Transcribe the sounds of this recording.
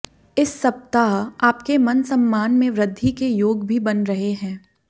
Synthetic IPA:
ɪsːɐp̚t̪aɦaːpkemɐnsɐmːaːnmẽʋɾɪd̪ʱːikejoːɡbʱibɐnɾɐɦeɦɛ̃ː

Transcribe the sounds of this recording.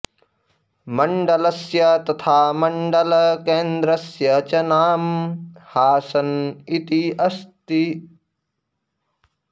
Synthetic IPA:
mɐɳɖɐlɐsjɐt̪ɐt̪ʰaːmɐɳɖɐlkẽːnd̪ɾɐsjɐt͡ʃɐnaːmhaːsɐnit̪iɐst̪i

